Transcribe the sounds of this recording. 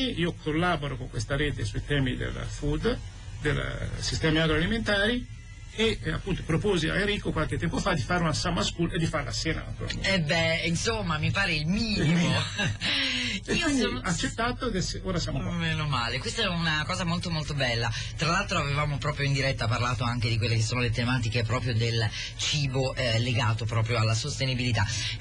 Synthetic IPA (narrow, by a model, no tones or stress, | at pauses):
iiːokʰolːaːboɾokoŋkwest̪aɾeːt̪esuit̪ɛːmid̪ḛlfud̪ | d̪ḛlsist̪ɛːmiaɡɾoaliment̪aːɾi | ea̰pːunt̪opɾopoːzia̰eɾiːkokwalket̪ːɛmpofad̪ːifaːɾeunasamːaskuled̪ːifaɾela̰sjɛːna̰a̰t̪uɾa̰ɛbːɛinsomːamipaːɾeilmiːnnimo | iːoat͡ʃːet̪ːat̪okeseoːɾasjamomːeːnomaːlekwest̪aɛunakɔːzamolt̪omolt̪obɛlːat̪ɾalalt̪ɾoavevaːmopɾɔːpɾjoind̪iɾɛt̪ːaparlaːt̪oaŋk̟ed̪ikwelːekesːoːnolet̪emaːt̪̬ikep̬ɾɔːpɾjod̪el | t͡ʃiːboʔlːeɡaːt̪opɾɔːpɾjoalːasost̪enibilit̪a